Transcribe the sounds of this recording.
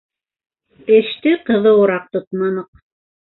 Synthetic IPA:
eʃt̪ɪqɤ̆ðɤoɾɑq̚t̪ot̪mɑnɤq̚

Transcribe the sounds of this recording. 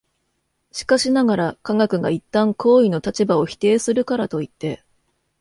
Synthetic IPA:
ɕi̥kaɕinaɡaɾakaɡakɯ̟ɡa̰it̪ːãŋkʰo̞ːino̞t̪at͡ɕibao̞çi̥t̪e̞ːsɨɾɯ̟kaɾat̪o̞it̪ːe̞

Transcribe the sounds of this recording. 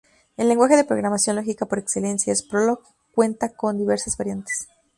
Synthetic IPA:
e̞lːe̞ŋɡwaxe̞ðe̞pɾo̞ɣɾamasjo̞nlo̞xikapo̞ɾe̞kse̞le̞nsjaespɾoloɣ | kwe̞nt̪ako̞nd̪iβe̞ɾsazβaɾjant̪e̥s

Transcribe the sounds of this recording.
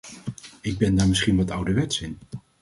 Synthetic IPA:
ɪɡ̚bɛndaːɹmɪsχinʋɑtʌwdəʋɛtsɪn

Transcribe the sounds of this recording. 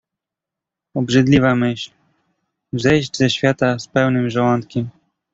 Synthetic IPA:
ɔbʐɘd̪lʲivamɘɕl | vzɛjʑd͡ʑzɛɕfʲjat̪aspɛwnɘmʐawɔnt̪kʲim

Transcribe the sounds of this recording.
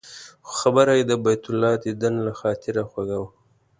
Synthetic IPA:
xxabəɾajed̪əbajt̪ʊlːɑd̪id̪anlaxɑːt̪ʰɪɾaxwaɡawa

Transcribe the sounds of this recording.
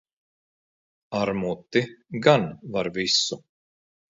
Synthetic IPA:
aɾmut̪ːɪɡanvaɾvɪsːʊ

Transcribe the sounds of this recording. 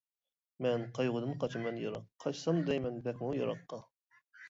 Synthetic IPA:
mɛnqʰɑjʁʊd̪ɨnqʰɑt͡ʃʰɨmɛnjɑɾɑqʰːɑjsɑmd̪ɛjmɛnbɛkʲmujɑ̰ɾɑ̰qːɑ

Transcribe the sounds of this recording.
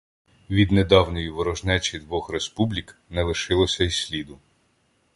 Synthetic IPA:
ʋʲid̪ned̪ɑwnɔjiʋɔɾɔʒnɛt͡ʃʲid̪ʋɔxɾespublʲiknɛlˠɪʃɪlˠɔsʲɐisʲlʲid̪ʊ

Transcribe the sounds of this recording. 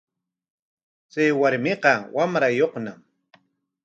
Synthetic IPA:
t͡sajwaɾmɪqɑwamɾajoχnam

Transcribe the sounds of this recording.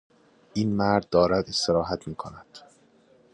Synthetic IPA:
ʔiːnmæɾd̪̚ːɒːɾæd̪e̞st̪e̞ɾɒːɦæt̪ʰmiːkʰonæd̪̥

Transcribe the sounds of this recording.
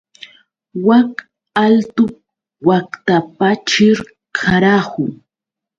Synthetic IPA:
wak | alt̪ʊ | wakt̪apat͡ʃɪɾ | kʰaɾahʊ

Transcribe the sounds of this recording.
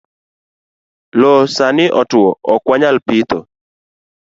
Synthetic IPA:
lɔsanɪʔɔtɔɔkwaɲalpit̪ɔ̰

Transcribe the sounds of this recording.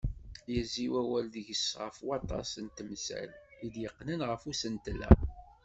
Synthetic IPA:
jæziwæwælðəʝəsʁəfwɑt̪ˤɑ̰sənt̪msæ̰lid̪jəqːnənʁəfusənt̪lːæ̰

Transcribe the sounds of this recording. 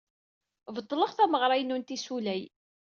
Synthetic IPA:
vət̪ˤːləʁθæməʁɾˤɑjnːunt̪isulæj

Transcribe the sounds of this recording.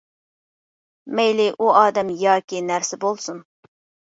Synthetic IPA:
mɛjlɪʔuɑːd̪ɛmjɑːkʲinæɾsɪbolˠsun

